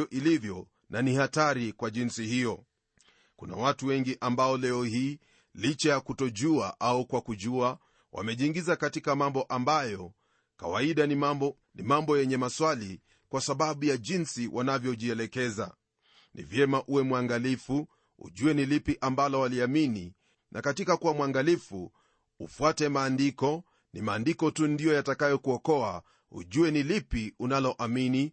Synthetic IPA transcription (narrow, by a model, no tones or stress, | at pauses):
ʔilivjɔ | nʔanihataɾikwaʄinsihijɔ | kuna̰watuwɛŋɡiʔambaɔlɛɔhiː | lit͡ʃajakutɔʄuaʔaukwakuʄua | wʔa̰mɛʄiŋɡizakatikamambɔʔambajɔ | ka̰waiɗa | nimambɔjɛɲɛmaswali | kwasaɓaɓujaʄinsiwʔanavjɔʄiɛlɛkɛza̰ | nʔḭvjɛmaʔuwɛmwaŋɡalifu | ṵʄuɛnilipiʔambalɔwaliamini | nʔakatikakuwamwaŋɡalifṵ | ufuatɛmaːndikɔ | nimaːndikɔtundijɔjatakajɔkuɔkɔa | ṵʄuɛnilipiunalɔʔamini